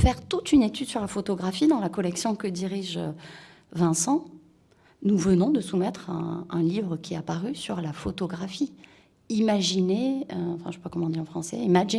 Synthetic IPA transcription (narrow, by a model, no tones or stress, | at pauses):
fɛʁt̪ut̪ynet̪yd̪syʁlafot̪ɔɡʁafid̪ɑ̃lakɔlɛksjɔ̃kəd̪iʁiʒø | vɛ̃sɑ̃ | nuvənɔ̃d̪əsumɛt̪χɛ̰̃ɛ̃livʁəkʲiɛapaʁysyʁlafot̪ɔɡʁafi | imaʒineøɑ̃fɛ̃ʃɛpakɔmɑ̃d̪iɑ̃fχɑ̃sɛ̰imaʒi